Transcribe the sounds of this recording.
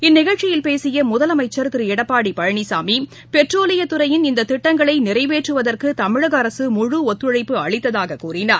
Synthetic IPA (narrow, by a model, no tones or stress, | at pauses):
ɪnːɪɣɐɻt͡ʃɪjɪlpeːsɪjɐmʊðɐlɐmɐɪt͡ʃːɐɾt̪ɪɾɯɛɽɐpːaːɽipɐɻɐɳisaːmi | pɛʈroːlɪjɐt̪ːɯɾɐjɪnɪnd̪ɐt̪ːɪʈːɐŋɡɐɭɐɪnɪrɐɪʋeːʈrɯʋɐðɐrkɯt̪ɐmɪɻɯɣɐɐɾɐsɯmʊɻɯɔt̪ːɾɯɻɐɪpːɯɐɭɪt̪ːɐðaːɣɐkuːrɪnaːɾ